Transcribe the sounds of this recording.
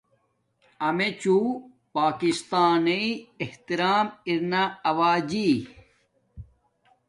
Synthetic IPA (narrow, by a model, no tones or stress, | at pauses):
ɐmet͡ɕuː | paːkist̪aːniieht̪iɾaːmiɾnaɐwaːd͡ʑi